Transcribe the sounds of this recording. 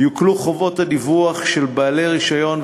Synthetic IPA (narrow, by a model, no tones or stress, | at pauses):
jukluχo̞vo̞thadivuaχʃelbaːleʁiʃajo̞n